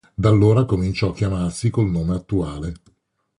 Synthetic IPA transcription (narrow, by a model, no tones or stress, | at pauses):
d̪alːoːɾakomint͡ʃɔakːjamarsikolnoːmeat̪ːuaːle